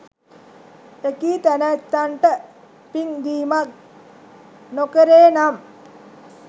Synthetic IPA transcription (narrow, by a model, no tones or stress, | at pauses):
ekiːt̪ænət̪ːaɳʈə | piŋd̪iːmak̚ | nokəɾeːnam